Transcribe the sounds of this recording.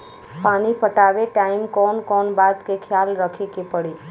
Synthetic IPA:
paːnipəʈaːʋeʈaːɪmkɔːnkɔːnbaːd̪kekʰjaːlɾəkʰekepəɽeː

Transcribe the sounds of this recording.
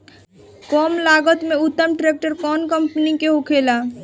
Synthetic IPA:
kɔmlaɡət̪meut̪ːəmʈɾek̚ʈəɾkɔnkəmpnikeɦokʰela

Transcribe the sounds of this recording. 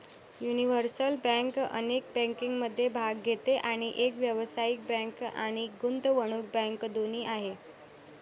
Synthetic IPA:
juniʋəɾsəlbə̃ŋkə̰nek̚bɛ̃ŋkiŋɡməd̪ʱːjebʱaɡɡʱet̪eʔaɽ̃iʔekʋjəʋsaik̚bɛ̃ka̰ɽ̃iɡund̪ʋəɽ̃uːk̚bə̃ŋkd̪oniːʔaɦe

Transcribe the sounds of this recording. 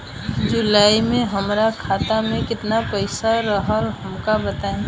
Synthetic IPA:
d͡ʒʊlaːimẽɦəmɾakʰaːt̪amẽkɪt̪napəɪsaɾəɦaɦəmkabət̪aẽ

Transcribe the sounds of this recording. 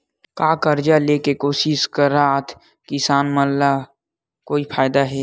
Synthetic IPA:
kaːkəɾd͡ʒaleːkekoːʃɪʃkəɾaːt̪ʰ | kɪsaːnməlla | koːipʰaːɪd̪aɦɛː

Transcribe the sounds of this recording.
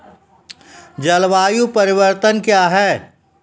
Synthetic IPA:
d͡ʒɐlʋaːjupɐɾɪwəɾt̪ənkjaːɦɛː

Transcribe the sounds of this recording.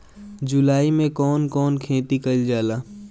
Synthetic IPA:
d͡ʒʊlaːimẽkɔːnkɔːnkʰẽːt̪ikɐld͡ʒaːlaː

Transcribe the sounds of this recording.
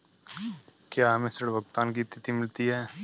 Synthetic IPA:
kjaːɦɐmẽsɐɽbɐk̚t̪aːnk̬it̪ːɪt̪imɪlt̪iɦɛː

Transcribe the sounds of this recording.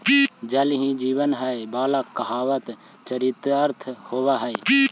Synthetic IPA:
d͡ʒəlɦĩd͡ʒiːʋənɦəjbaːlakəɦaːʋət̪ | t͡ʃəɾit̪əɾt̪ʰhoːʋaɦəj

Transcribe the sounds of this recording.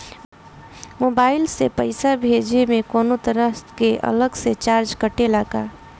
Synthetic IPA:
moːbaːɪlsepəɪsabʱeːd͡ʒemẽkɔːnot̪əɾəst̪keʔə̰ləɡset͡ʃaːɾd͡ʒkəʈelaːkaː

